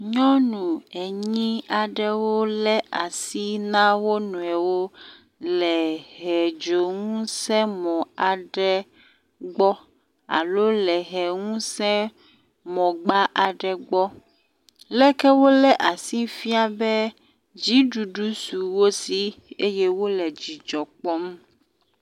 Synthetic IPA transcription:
ɲɔ̃˦nũ˨ɛ˨ɲĩ˦a˨ɖɛ˦wo˦lɛ˦ʔa˨si˦nã˦wo˦nũ˨ɛ˨wo˦ | lɛ˨ɦɛ˨d͡ʒo˨ŋ̃ũ˦sɛ̃˦mɔ̃˨a˨ɖɛ˦ | ɡ͡bɔ˦ | a̰˨lo˦lɛ˨ɦɛ˨ŋũ˦sɛ̃˦ | mɔ̃˨ɡ͡ba˦ʔa˨ɖɛ˨ɡ͡bɔ˦ | lɛ˦kɛ˦wo˦lɛ˦ʔa˨si˦fi˦a˨bɛ˦ | d͡ʑi˦ɖu˨ɖu˦su˨wo˦si˦e˦jɛ˦wo˦lɛ˨d͡ʑi˨d͡ʒɔ˨k͡pɔ˦m˦

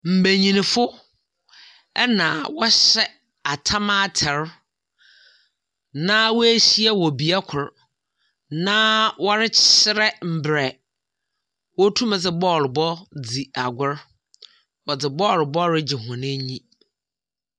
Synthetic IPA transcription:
m̩˨bæ˨ɲĩ˨nĩ˨fʊ˦ | ɛ˦nã˨wɔ˦ɕɛ˦ | a˨tʰa˦mã˦tʰɛ˨ɾ | nã˦wɔ˦æ˦ɕi˦ɛ˦wɔ˨bi˨a˦kʰʊ˨ɾ | nã˦wɔ˦ɾɪ˦t͡ɕɪ˦ɾɛ˦m̩˨bɾɛ˨ | wɔ˦tʰũ˦mɛ̃˨d͡zɪ˨bɔː˦˨lbɔ˦d͡zi˨a˨ɡʷʊ˦ɾ | wɔ˨d͡zɪ˨bɔ˦˨lbɔ˦ɾɪ˦d͡ʑɪ˨ɦʊ̃˨nɪ̃˦ɲĩ˦

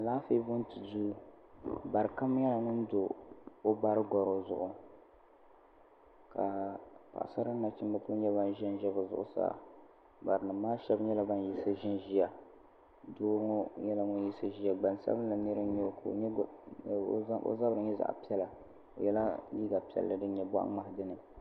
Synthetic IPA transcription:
a˨laː˦fe˦bʊ˦n˦tɨ˨duː˦ | ba˨ɾɨ˨ka˦m˦jɛ˦la˨ŋʊ˦n˦do˨o˦ba˦ɾɨ˦ɡɔ˨ɾo˨zʊ̰˨ʔʊ˨ | ka˨pa̰˨ʔa˨sa˦ɾɨ˦na˨t͡ʃɪ˦mba˦kʊ˦ɲɛ˦βa˦nʒɛ˦nʒɛ˦bɨ˨zʊ̰˦˨ʔʊ̰˦sa̰ː˦ | ba˨ɾɨ˨nɨ˨maː˦ʃɛ˦bɲɛ˦la˦ba˦n˨ji˦sɨ˦ʒɪ˦nʒi˦ja˨ | doː˦ɾŋo˦jɛ˦la˨ŋʊ˦n˦ji˦sɨ˦ʒi˦a˨ɡ͡ba˨n˨sa̰˦bɨ˦n˦la˨nɨ˦ɾɨ˦ɲo˦˨kɲ˦˨˦ | o̰˦za˦bɾɨ˨ɲɛ˦za̰˨ʔpi˦ɛ˦la˨ | o̰˨jɛ˦la˦liː˦ɡa˨pi˨˦ɛ̰˨lːɨ˦dɨ˦ɲɛ˨ba̰˦ʔŋ͡ma˦hdɨ˦nɨ˨

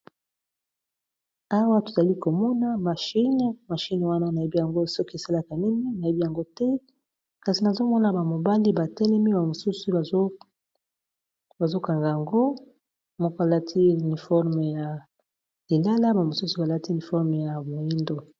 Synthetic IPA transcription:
a˦wa˦to˨za˨li˦ko˨mɔ˦na˦ma˨ʃi˦n˨ma˨ʃi˦n˨wa˦na˦na˨e˦bi˦ja˨ŋɡo˦sɔ˦ke˨sa˦la˦ka˨ni˦ni˦na˨je˦bi˦ja˨ŋɡo˦tɛ˦ | ka˨si˨na˨zo˦mɔ˦na˨ba˨mo˨ba˦li˦ba˨tɛ˦lɛ˦mi˦ba˨mo˨su˦su˦˨˦ | ba˨zo˦ka˨ŋɡa˨ja˨ŋɡo˦ | mɔ˦ko˦a˨la˦tʰi˦u˨ni˨fɔ˦ʁme˨ja˨ | li˨la˦la˦ba˨mo˨su˦su˨ba˨la˦ti˦˨ni˨fɔ˦ʁm˨ja˨bo˨ji˦ndo˨

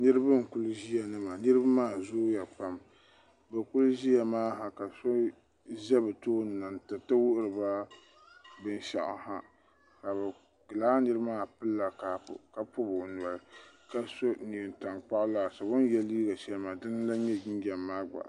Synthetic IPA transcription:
nɨ˦ɾɨ˦bɨ˦n˨kʊ˦lʒi˦ja˨nɨ˦ma˨nɨ˦ɾɨ˦bmaː˦˨zoː˦ja˨pa˨m | bɛ˨kʊ˦lʒi˦ja˨maː˦ɦa˨ka˨so˦ | ʒɛ˦bɨ˨toː˦n˨na˨ntɨ˨tɨ˦wʊ˦ʔʊ˦ɾɨ˨ba˦ | bɨ˦n˦ʃa̰˨ʔa̰˨ha˦ | ka˨bɛ˨ | kɨ˨laː˦nɨ˦ɾɨ˦bmaː˦˨pɨ˦lːa˨kaː˦pʊ̰˨ka˨pʊ˦bʊ˨n˨ɔ˨lɨ˨ka˨so˦ni˨nta˨ŋk͡pa˦ʔla˨sa˨bʊ˦n˦jɛ˦liː˦ɡa˨ʃɛ˦lma˨dɨ˦n˦la˦ɲɛ˦d͡ʒi˦ŋ˦ɡʲɛ˨mːaː˦ɡ͡ba̰˨ʔ

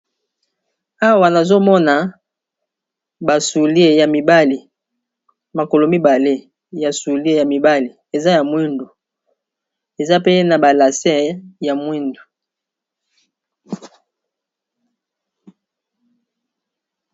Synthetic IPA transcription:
a˦wa˨na˨zo˦mɔ˦na˨ | ba˨su˨li˦e˦˨ja˨mi˨ba˦li˨ | ma˨ko˨lo˨mi˦ba˨le˦ | ja˨su˨li˦e˦ja˨mi˨ba˦li˨ | e˨za˦ja˨mwi˦ndo˨ | e˨za˦pe˦na˨ba˨la˨sɛ˦ja˨mwi˦ndo˨

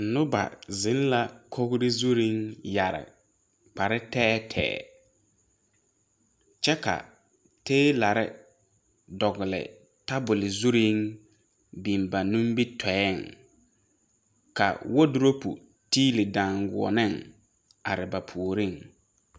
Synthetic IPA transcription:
n̩˨nʊ˦ba̰˨zɪ˨˦n˦la˦kʰo˦ɣɾɪ˦zu˦ɾi˦ŋja˨ɾɪ̰˨ | k͡pa˨ɾɪ˦tɛː˦tʰɛ̰ː˨˦˨ | t͡ʃɛ˦ka̰˨ | teː˦la˨ɾɪ̰˦ | dɔ˨ɣɪ˨lɪ̰˨ | ta˦bʊ˨lɪ˨zu˦ɾi˦ŋ | bi˨mba˨nũ˦mbi˦tʰɛ˨˦ɛ˦˨ŋ | ka̰˨wɔ˦dʊ˦ɾo˦pṵ˨ | tiː˦lɪ˨dãː˨ŋɡʊ̰˨ɔ̰˨nɪ˦˨ŋ | a˨ɾɪ˨ba˨pʰu˨o˨ɾi˦˨ŋ

